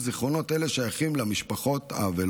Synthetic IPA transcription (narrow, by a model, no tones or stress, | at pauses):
ziχʁo̞no̞t̪ele̞ʃajaχimlamiʃpaχo̞t̪a̰vel